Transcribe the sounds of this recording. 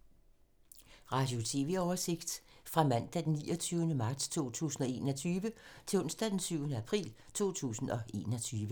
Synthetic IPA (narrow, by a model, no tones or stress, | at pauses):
ʁɑ̈d̥jo̝t͡sʰe̝ʋe̝̰ɒʊɐse̝ɡ̥d̥fʁɑ̈mæn̰d̥æd̥enːiːɒt͡sʰyːʊnəmɑ̈d̥st͡sʰo̝̰ːt͡sʰṵːsn̩ɒ̽e̝̰ːnɒ̽t͡sʰyːʋət͡sʰe̝lɔ̽n̰sd̥æd̥ensyʊnəæpʰʁḭːl | t͡sʰo̝̰ːt͡sʰṵːsn̩ɒ̽ʔe̝̰ːnɒ̽t͡sʰyːʋə